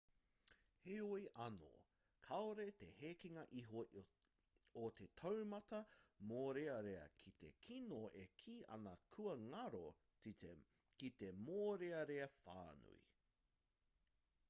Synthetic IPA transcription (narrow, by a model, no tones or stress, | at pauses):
heojʔɐno̰ | kʰɐoɾet̪ehekiŋɐʔiɦo | ot̪ʰet̪ʰɐwmɐt̪ɐmoːɾeɐɾeɐ̰kʰit̪ḛkʰinoʔekʰiːʔɐ̰nɐkʰuɐŋɐɾo | ki | kit̪emoːɾeɐɾeɐfa̰ːnṵḭ